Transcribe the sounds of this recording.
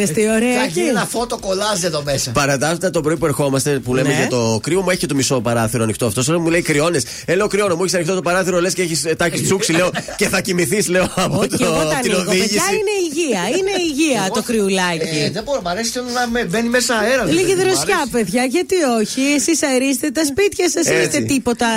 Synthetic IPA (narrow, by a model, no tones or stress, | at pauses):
est̪ioɾeɐnɐfot̪okolɐzieðomesɐpɐɾɐt̪ɐft̪ɐt̪o̞bɾo̞ipue̞ɾxo̞mɐst̪e̞pule̞mmeʝɐt̪o̞kɾiomueçet̪omiso̞pɐɾɐθiɾoɐnixt̪oɐft̪o̞solɐmuleikɾio̞ne̞s | eleokɾio̞nomueçisɐnixt̪ot̪opɐɾɐθiɾole̞sceeçist̪ɐçist͡suksile̞o̞ce̞θɐcimiθisle̞oɐpot̪ooninoðiʝiɐineiʝiɐineiʝiɐt̪okɾiulɐʝiðeboɾomɐɾesi̥tonnɐmbenimesɐeɾɐliɣiðɾosɐpeðʝɐʝɐt̪io̞çiesisɐɾist̪et̪ɐspit̪çɐsɐsest̪et̪ipo̞t̪ɐ